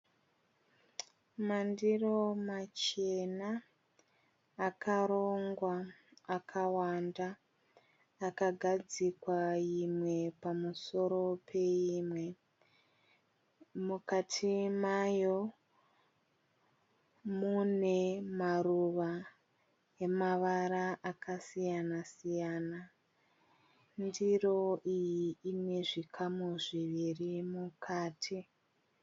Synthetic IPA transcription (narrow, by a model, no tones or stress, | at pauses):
mandiro̞mat͡ʃe̞na | kʰaɾo̞ŋɡwaːkʰawanda | kaɡʱad͡zikwaimwe̞pamuso̞ɾo̞pʰe̞imwe̞ | mukatʰimajo | mune̞maruʋa | e̞maʋaɾaʔakʰasijanasijana | ndiro̞ʔijiːne̞ʐikʰamuʐiʋirimukʰaːtʰi